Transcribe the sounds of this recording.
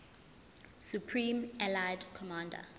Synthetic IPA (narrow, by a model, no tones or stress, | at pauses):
sjupʰɹĩmɛlajdkʰɔmãnda̰